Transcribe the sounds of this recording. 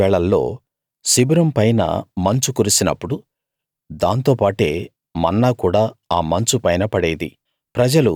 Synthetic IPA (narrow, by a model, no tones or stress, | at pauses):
ɛːɭɐlːo̞̰ː | sibuɾɐmpɐjnɐ̰mɐɲt͡ʃukuɾusinɐpːuɽu | d̪aːnt̪oːpaːʈe̞ː | mɐnːaːkuːɽaːaːmɐɲt͡ʃupɐjnɐpɐɽeːd̪ḭ | pɾɐd͡ʒɐlu